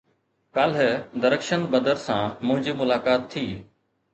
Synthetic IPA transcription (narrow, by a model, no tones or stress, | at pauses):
kaːlɦed̪əɾəkʃənbəd̪əɾsãːmʊ̃ɦɪ̃ɲd͡ʑiːmʊlaːkaːt̪ʰːiː